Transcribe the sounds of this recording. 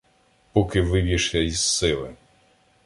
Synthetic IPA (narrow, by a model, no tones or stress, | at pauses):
pɔkɪʋɪbʲiʃʲɐizsɪlˠɪ̰